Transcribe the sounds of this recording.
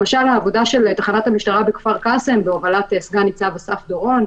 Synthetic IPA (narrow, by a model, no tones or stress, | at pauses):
maʃalaːvo̞daʃe̞lt̪aχanathamiʃtaʁabekfaʁkasembeovalat̪esɡanit͡savesafd̪oʁo̞n